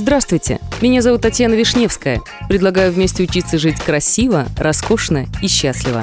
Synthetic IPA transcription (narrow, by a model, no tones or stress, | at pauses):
zd̪ɾast̪vʊjtʲɪ̰mʲɪnʲazɐvut̪ːɐtʲjanəvʲɪʂnʲe̞fskəjə | pɾʲɪd̪lˠɐɡajʊvmʲesʲtʲɪʊt͡ɕit̪sːəʐɨtʲkɾɐsʲivəɾɐsko̞ʂnəiɕːasʲlʲɪvə̰